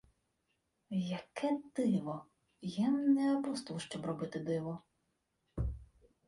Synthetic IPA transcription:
jɐkʰɛd̪ɪʋɔ | jamnɛɐbust̪ɪlˠʃt͡ʃɔbrɔbɪt̪ɪd̪ɪʋɔ

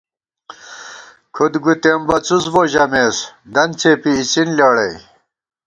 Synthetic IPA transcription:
kʰud̪ɡut̪embɐt͡susboːʑɐmesd̪ɐnt͡sʰeːpiːt͡sinlaːɽej

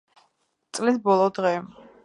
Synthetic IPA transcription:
t̪sʼlisbɔlˠɔd̪ʁɛ

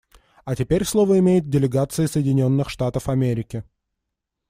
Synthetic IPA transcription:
ɐtʲɪpʲeɾʲslˠo̞vəɪmʲejɪt̪̚dʲɪlʲɪɡat̪sɨɪsəjɪdʲɪnʲo̞nːɨxʂt̪at̪əfɐmʲeɾʲɪkʲɪ

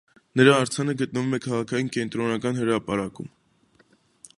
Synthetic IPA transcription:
nəɾɑːɾt͡sʰɑnəɡət̪̚nəvumɛkʰɑʁɑkʰɑjinkɛnt̪ɾɔnɑkɑnhəɾɑpɑɾɑkṵm

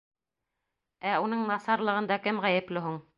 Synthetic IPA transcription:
æunɤɴnɑsɑɾlˠɤ̆ʁɤ̆nd̪ɑkɘmʁæjɘ̆plɘɦuɴ

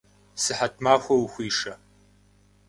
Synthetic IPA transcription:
sɨħatʰmaːxʷɐwxʷiːʂɐ

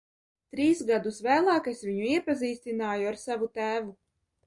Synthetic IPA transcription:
t̪ɾiːsɡad̪usvæːlˠɑːkesvʲiɲuiɛpaziːst̪inaːjuaɾsavut̪æːvu

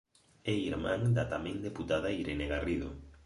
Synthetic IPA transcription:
eiɾmãŋd̪at̪amẽŋd̪eput̪aðaiɾeneɣariðo̰

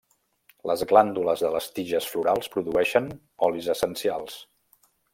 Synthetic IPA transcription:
ləzɣland̪uləzðələst̪iʒəsfluɾalˠspɾuðuɛʃən | ɔlizəsənsialˠs

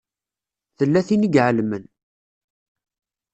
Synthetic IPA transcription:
θəlːæθinəɡʕəlmən

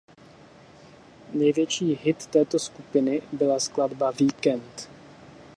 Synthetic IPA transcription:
nɛjvjɛt͡ʃiːɦɪt̪ːɛːt̪o̞skupɪnɪbɪlaskladbaviːkɛnt̪

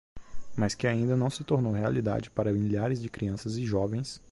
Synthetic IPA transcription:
maskɪaĩnd̪ɐnɐ̃w̃sɪt̪oɾnowɦealid̪a̰d͡ʒɪpaɾɐmiʎaɾɪzd͡ʒɪkɾiɐ̃sɐzɪʒɔvẽj̃s

